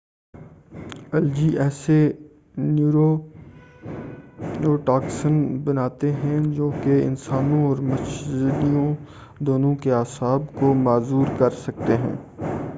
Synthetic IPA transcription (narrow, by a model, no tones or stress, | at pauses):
ɐld͡ʒiʔɛːse | nuɾo | noʈaːksənbɐnaːt̪eɦɛ̃d͡ʒoːkeɪ̰nsaːnõɔːɾmɐʃd̪ijõ | d̪oːnõkeaːsaːbkomaːzuːɾkɐɾsɐk̚t̪eɦɛ̰̃ː